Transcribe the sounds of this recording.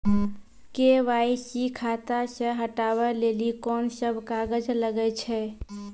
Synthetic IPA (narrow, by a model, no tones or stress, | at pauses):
keʋaisikʰat̪asə̃ɦəʈaʋɛlelikɔnsəbʱkaɡəd͡ʒləɡɛt͡ʃʰɛ